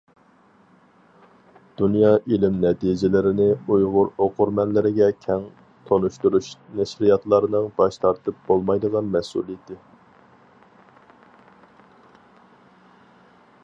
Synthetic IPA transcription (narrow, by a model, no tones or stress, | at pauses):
d̪̥unjɑʔilɪmnɛt̪ʰid͡ʒɪlɪɾɪnɪujʁʊɾoqʊɾmɛnlɪɾɪɡʲɛkʲʰɛŋ | t̪ʰonuʃt̪uɾuʃnɛʃɾijɑt̪lˠɑɾɨnɨŋbɑʃt̪ʰɑɾt̪ɨp̚b̥olˠmɑjd̪əʁɑnmɛsṵlˠid̪ɪ